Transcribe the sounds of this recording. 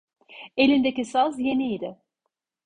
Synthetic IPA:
elʲind̪ecisazjenijd̪ɪ

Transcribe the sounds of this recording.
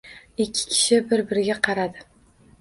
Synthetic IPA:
ɪkʲʰːɪ̥kʲʰɪ̥ʃɪbɪɾbɪɾɪɡʲaqʰɑɾad̪ɪ

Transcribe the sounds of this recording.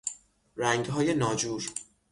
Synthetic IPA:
ɾæŋɡɦɒːjenɒːd͡ʒuːɾ

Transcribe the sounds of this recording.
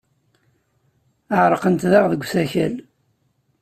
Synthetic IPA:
əʕɾˤəqənt̪ðɑʁðəɡʷːsæçæl

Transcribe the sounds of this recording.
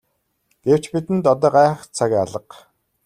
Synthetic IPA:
ɡ̥ew̥t͡ɕpit̪ɘ̆nt̪ɔt̪ɔːɢaːχt͡sʰaɣʲːaɮə̆q

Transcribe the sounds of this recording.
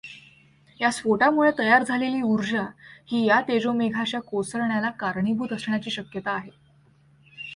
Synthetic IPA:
jasfoʈamuɭet̪əjaɾd͡zʱaleliːuɾd͡ʑahiːjat̪ed͡zomeɡʱaɕjakosəɾɳjalakaɾɳibʱuːt̪əsɳjat͡ɕiːɕəkjət̪aːɦe

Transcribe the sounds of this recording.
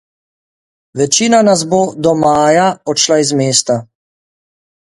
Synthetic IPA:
ʋɛt͡ʃiːnanasboːd̪ɔmaːjaɔʃlaizmeːst̪a

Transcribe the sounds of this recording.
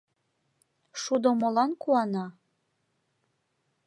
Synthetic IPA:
ʃud̪omŏlɑnkuɑnɑ

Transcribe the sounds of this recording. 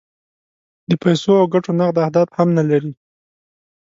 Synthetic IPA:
d̪əpajsoawɡaʈonaqd̪ahd̪ɑt̪hamnalaɾi

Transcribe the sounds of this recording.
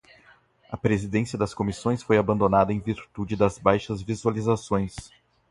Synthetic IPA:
ɐpɾezid̪ẽsiɐd̪ɐskomisõj̃sfojabɐ̃nd̪onad̪ɐẽj̃viɾt̪ud͡ʒɪd̪ɐzbajʃɐzvizualizasõj̃s

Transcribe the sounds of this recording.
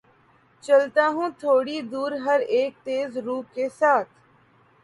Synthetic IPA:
t͡ʃəlt̪aːɦũːt̪ʰoːɽiːd̪uːɾɦəɾeːk̚t̪eːzɾuːp̚kesaːt̪ʰ

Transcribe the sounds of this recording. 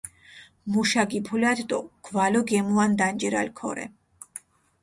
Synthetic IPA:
muʃaɡipʰulat̪ʰt̪ʼɔɡ̥valɔɡɛmuand̪and͡ʒɛɾa̰lkʰɔ̰ɾɛ̰

